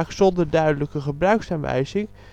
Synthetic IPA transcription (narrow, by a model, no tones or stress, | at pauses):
χsɔndəɹdœɥdələkəχəbrœɥksanʋɛ̰jzɪŋ